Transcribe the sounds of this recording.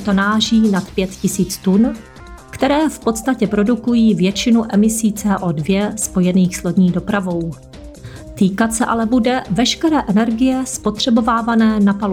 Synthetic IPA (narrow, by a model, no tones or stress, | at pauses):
t̪o̞naːʒiːnat̪pjɛt̪cɪsiːt͡st̪un | kt̪ɛɾɛːfpo̞t̪st̪acɛpɾo̞dukujiːvjɛt͡ʃɪnuʔɛmɪsiːt͡sɛːʔoːdvjɛspo̞jɛniːxslodɲiːdo̞pɾavo̞w | t̪iːkat̪sɛʔa̰lɛbudɛvɛʃkɛɾɛːʔɛnɛɾɡɪjɛspo̞t̪r̝̥ɛbo̞vaːvanɛːnapalo